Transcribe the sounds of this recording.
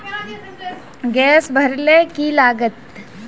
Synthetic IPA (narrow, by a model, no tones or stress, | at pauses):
ɡɛːsbʱɐɾlekilaːɡət̪̚